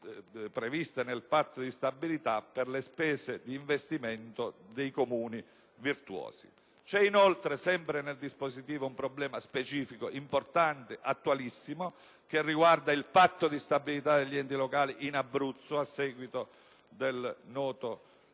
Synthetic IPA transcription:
pɾevist̪enelpat̪ːod̪ist̪abːilit̪apːerlespɛːzed̪iːɱvest̪iment̪od̪ejkomuːni | virt̪uɔ̰ːzḭ | t͡ʃɛinolt̪ɾesɛmpɾeneld̪ispozit̪iːvoumpɾoblɛːmaspet͡ʃiːfikoʔimport̪ant̪eʔat̪ːualisːimo | k̟erːiɡward̪ailpat̪ːod̪ist̪abilit̪ad̪eʎːiɛnt̪ilokaːliʔinabːɾut̪sːoasːɛːɡwit̪o | d̪elnɔːt̪o

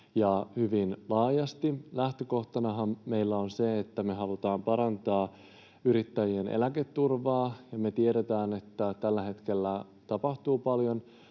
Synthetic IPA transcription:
jɑhyʋinlɑːjɑst̪ilæht̪øko̞ht̪ɑnɑɦɑmːe̞ilːæo̞nse̞et̪ːæme̞ɦɑlut̪ɑːmpɑɾɑnt̪ɑː | yɾit̪ːæjie̞nḛlæket̪ːurʋɑːjɑme̞t̪ie̞ɾet̪æːne̞t̪ːæt̪ælːæɦe̞t̪ke̞lːæ | t̪ɑpɑht̪uːpɑljon

